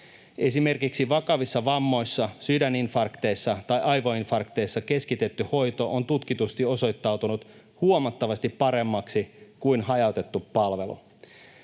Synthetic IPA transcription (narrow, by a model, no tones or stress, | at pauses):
e̞sime̞rkiksiʋɑkɑʋisːɑʋɑmːo̞jsːɑsydæninfɑrkt̪e̞jsːɑt̪ɑjʔɑjʋoinfɑrkt̪e̞jsːɑke̞skit̪e̞t̪ːyho̞jt̪o̞ʔont̪ut̪kit̪ust̪io̞so̞jt̪ːɑwt̪unut̪ | huomɑt̪ːɑʋɑst̪ipːɑɾe̞mːɑksikujnhɑjɑwt̪e̞t̪ːupːɑlʋe̞lṵ